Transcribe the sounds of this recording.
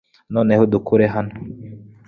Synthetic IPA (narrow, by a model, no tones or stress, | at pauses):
nɔnɛhod̪ukuɾɛɦanɔ